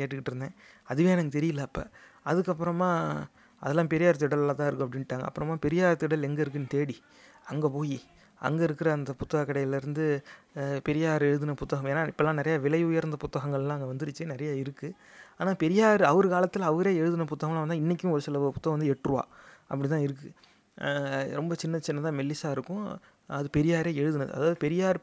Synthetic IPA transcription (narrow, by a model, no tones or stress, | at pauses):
keːʈːɯkːɪʈːɪɾɯnd̪ḛ̃ː | ɐðɯʋeːnaːŋɡɐt̪ɛɾɪjɪlːɐpːɐ̰ | ɐðɯkːɐpːɯɾɐmaː | ʔɐ̰ðɛlːãːpɛɾɪjaːɾɐt̪ːɯɪɽɐllãːt̪ãːɪɾɯkːʊ̃ɐp̬ːɐɽɪnːʈːaːŋɡɐ̰ɐpːɯɾɐmaːpɛɾɪjaːɾɐt̪ːɯɪɽɐlɛŋɡɐɪɾɯkːɯnɯt̪eːɽi | ɐŋɡepoːji | ʔɐ̰ŋɡeɪɾɯkːɪɾɐːnd̪ɐpʊt̪ːɐɣɐkːɪɽɐjɪlɪɾɯnd̪ɯ | pɛɾɪjaːɾɯɛɻɯðɪnɐpʊt̪ːɐɣɐmeːnːaːɪpːɐlːãːnɪɾɐjaːʋɪlɐɪʊjɐɾnd̪ɐpʊt̪ːɐɣɐŋɡɐɭɛlãːɐŋɡeɐʋɐnd̪ɪɾɯt͡ʃːɯnɪɾɐjaːɪɾɯkːɯ | aːnaːpɛɾɪjaːɾɯɐʋɐɾɯkaːlɐt̪ːɯlɐʋɐɾeːɛɻɯðɯnɐp̬ʊt̪ːɐɣɐmlaʋɐnd̪aːɪnːɪk̬ʲːjʊ̃ɔɾɯsɪlɐpʊt̪ːɐɣɐ̃ʋɐnd̪ɯɛʈːrɯʋa̰ːʔɐpːɐɽit̪ãːɪɾɯk̬ːɯ | ɾɔmbɐt͡ʃɪnːɐt͡ʃɪnːɐt̪ãːmɛlːɪsaːɪɾɯkːʊ̃ | ɐðɯpɛɾɪjaːɾeːɛɻɯðɪnɐðɯ̰ʔɐ̰ðaːʋɐðɯpɛɾɪjaːɾɯ